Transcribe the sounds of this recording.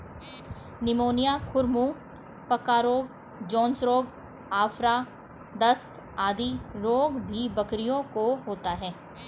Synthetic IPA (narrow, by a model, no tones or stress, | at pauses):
nɪmoːnijakʰʊɾmũː | pɐkaːɾoːɡ | d͡ʒɔ̃ːnsɾoːɡ | aːfɾa | d̪ɐst̪ | aːd̪iɾoːɡbʱibɐkɾijõkoɦoːt̪aɦɛː